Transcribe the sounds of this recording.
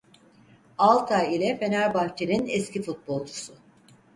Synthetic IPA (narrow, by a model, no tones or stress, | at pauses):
alˠt̪ʰailʲɛfe̞næɾbaɾt͡ʃʰeɾinɛscʰifut̪̚bo̞lˠt͡ʃʰu̥sʊ